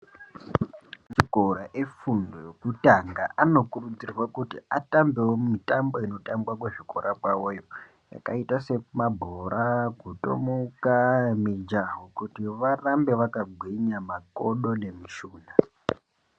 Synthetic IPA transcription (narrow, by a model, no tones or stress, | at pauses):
miɡʱoɾaʔefundokutaŋɡaʔano̞kurut͡sirwakutiatambewomitambo̞ino̞tambwakweʐiko̰ɾʔakwawojo̞ | ja̰kaitase̞mabʱoɾaɡʱuto̰mukamid͡ʒaɦokutiʋarambe̞ʋakaɡʱwiɲamakoɗo̞ne̞miʃuːna